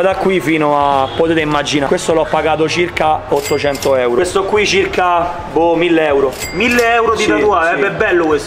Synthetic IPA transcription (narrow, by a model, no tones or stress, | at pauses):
ad̪akːwifiːnoapːot̪eːt̪eimːad͡ʒinakwest̪oloɔpːaɡaːt̪̬ot͡ʃirkaot̪ːot͡ʃɛnt̪oɛwɾst̪okːwit͡ʃirka | bomilːeɛwɾo | milːeɛwɾod̪it̪at̪uaɛɛbːɛlːokwes